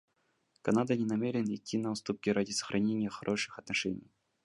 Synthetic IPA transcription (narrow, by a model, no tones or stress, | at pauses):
kɐnad̪ənʲɪnɐmʲeɾʲɪnɪtʲːinəʊst̪up̚kʲɪɾadʲɪsə̥xɾʔɐnʲenʲɪjəxɐɾʔo̞ʂɨ̥xɐt̪nɐʂɛnʲɪj